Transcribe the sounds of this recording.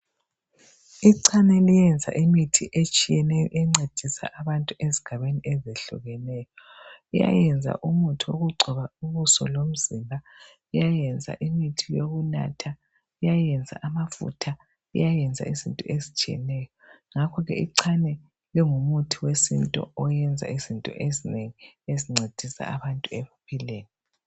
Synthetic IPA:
iǀʰanɛlijɛnd͡zʱa̰ʔimitʰiʔet͡ʃʼijɛnɛjɔ̰ʔɛŋ͡ǀed̥ʱisa̰ʔaβantʼuʔeziɡ̥ʱaβeniʔɛzeɬṵɣɛnɛːjɔija̰jɛnd͡zʱa̰ʔumutʰiwoɣuɡ͡ǀʱɔβauβusɔ̰lom̩zimbʱa | ijajɛnd͡zʱa̰ʔimitʰijoɣuna̰tʰa | ijajɛnd͡zʱa̰ʔamafṵtʰa | ijajɛnd͡zʱa̰izḭntʼɔezit͡ʃʼiɛ̰nɛjɔ | ŋakʰɔɣɛ̰ḭǀʰanɛ | liŋumutʰiwesintʼɔ̰ɔjɛnd͡zʱa̰izintʼɔ̰ʔezineŋieziŋ͡ǀʱed̥ʱisa̰aβantʼuɛβupʰileːni

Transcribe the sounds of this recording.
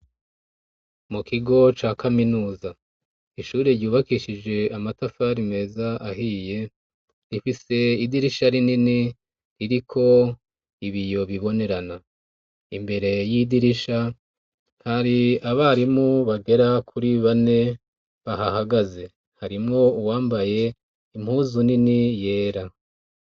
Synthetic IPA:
mukʰiɡo̞t͡ʃaːkaminuːza | iʃuːɾeɾɟuːβakiʃid͡ʒe̞amatafaɾime̞ːzaaɦiːje̞ | ɾifise̞idiɾiʃaɾinini | ɾiɾikʰo̞ | iβijo̞βiβo̞ne̞ɾana | imbe̞ɾe̞jidiɾiʃa | haɾiaβaɾimuβaɡe̞ɾakʰuɾiβane̞ | βaɦahaɡaze̞ | haɾimŋouwaːmbaje̞ | im̥huzuninije̞ːɾa

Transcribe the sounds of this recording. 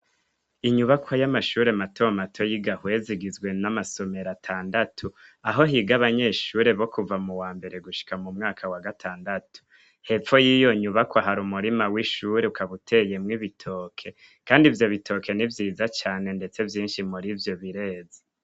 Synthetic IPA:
iɲuβakwajamaʃuːɾe̞matʰomatʰo̞jiɡahwe̞ziɡizɡwe̞namaso̞me̞ɾatʰaːndatʰuaɦo̞ɦiːɡaβaɲe̞ːʃuːɾe̞βo̞kuvamuwaːmbe̞ɾe̞ɡuʃi̥kamumŋaːkʰawaɡatʰaːndatu̥ | he̞p͡fo̞jiːjo̞ɲuβakwaɦaɾumuɾimawiʃuɾeukaβutʰe̞je̞mŋiβitʰoːkʰe̞ | kaːndivjo̞βitʰo̞kʰe̞nivjiːzat͡ʃaːne̞nde̞t͡se̞vjiːnʃimuɾivjo̞βiɾe̞ːze

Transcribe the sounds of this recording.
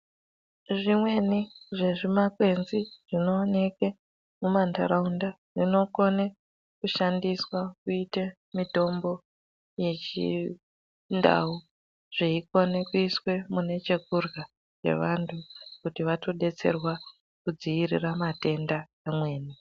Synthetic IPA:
ʐimwe̞niʐe̞ʐimakwe̞nziʐ̥ino̞ːne̞ke | mumandaɾaunda | ʐino̞ko̞ne | kuʃandiswakuite | mito̞mbo̞ | je̞t͡ʃḭ | nda̰u | ʐ̥eiko̞ne̞kuiswe̞mune̞t͡ʃe̞kurɣa | t͡ʃe̞̰ʋantʰukutiʋato̞ɗe̞t͡se̞̰rwa | kud͡ziʋirḭramate̞nda | amwe̞ːni

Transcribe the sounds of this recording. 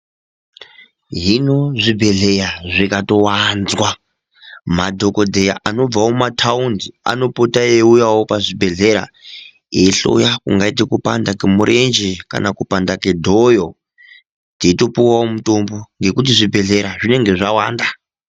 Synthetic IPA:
ɦino̞ʐibʱe̞ɮe̞jaʐikato̞wanzwa | madʱo̞ko̞dʱe̞jaʔano̞b͡vawomatʰaundia̰no̞potaeujawopaʐibʱe̞ɮe̞ɾa̰ | eɬo̞̰jakuŋɡaitikupandakemuɾʔe̞nd͡ʒeka̰nakupandakedʱojo | tito̞puwawomutomboŋɡe̞kut̬iʐibʱe̞ɮe̞ɾaʐine̞ŋɡe̞ʐawa̰ːnda

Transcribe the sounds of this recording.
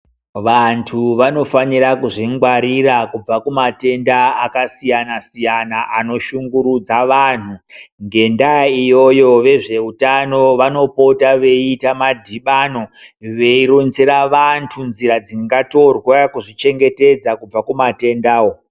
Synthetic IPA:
ʋantʰuʋano̞fanirakuʐiŋɡwaɾirakub͡vakumate̞ndaakasijanasijanaʔano̞ʃuŋɡuɾud͡zaʋan̤uŋɡe̞ndaijo̞jo̞ʋe̞ʐe̞utano̞ʋano̞po̞taʋe̞itamadʱiɓano̞ʋe̞iɾont͡seɾaʋantʰunzirad͡ziŋɡato̞rwakuʐit͡ʃe̞ŋɡe̞te̞d͡zakub͡vakumate̞ndaːwo

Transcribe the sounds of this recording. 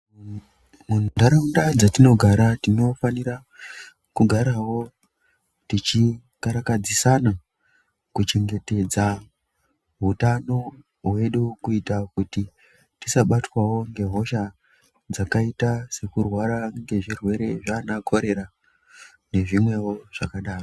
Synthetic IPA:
mundaɾaundad͡zatino̞ɡʱaɾatino̞fanira | kuɡʱaɾawo̞ | tit͡ʃi | kaɾakad͡zisana | kut͡ʃe̞ŋɡe̞te̞d͡za | ɦutano̞ | ɦwe̞ɗukuitakuti | tisaɓatwawo̞ŋɡe̞ɦo̞ʃa | d͡zakaitase̞kurwaɾaŋɡe̞ʐirwe̞ɾe̞ʐaːnakʰo̞ɾe̞ɾa | ne̞ʐimwe̞wo̞ʐ̥akaɗaːro

